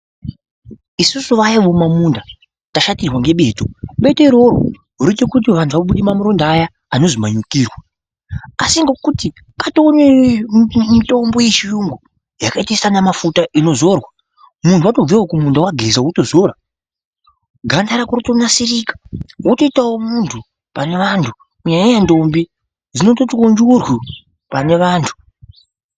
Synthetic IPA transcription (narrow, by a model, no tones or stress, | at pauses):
isusuʋajaʋo̞mamunda | taʃatirwaŋɡe̞ɓe̞ːtoɓe̞te̞ɾo̞ɾo̰ | ɦuɾitekut̬iʋantʰuʋaoɓuɗimamuɾondːja | ano̞zimaɲukiːrwa | asiŋɡe̞kuti | katoːne | mito̞mbo̞je̞t͡ʃijuŋɡu | jakaitesanamafutaʔino̞zo̞rwa | muntʰuato̞b͡vewokumundawaɡʱe̞zawuto̞zoɾa | ɡʱandaɾakurutonasiriːkḁwutoitawomuntʰu | pane̞ʋantʰu | kuɲajajando̞mbi | d͡zino̞totkond͡ʒurwi | pane̞ʋaːntʰu̥